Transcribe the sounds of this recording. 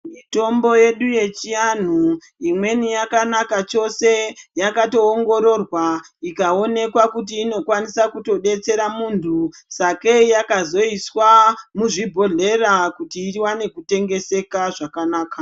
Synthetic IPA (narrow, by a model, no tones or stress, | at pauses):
mito̞mbo̞je̞ɗuje̞t͡ʃian̤u | imwe̞nijakanakat͡ʃo̞se̞jakato̞ːŋɡo̞ɾo̞rwaikao̞ne̞kwakut̬iːno̞kwanisakuto̞ɗe̞t͡se̞ɾamuntʰusake̞jakazo̞iswamuʐibʱo̞ɮe̞rakutiːɾiwane̞kute̞ŋɡe̞se̞kaʐakanaːka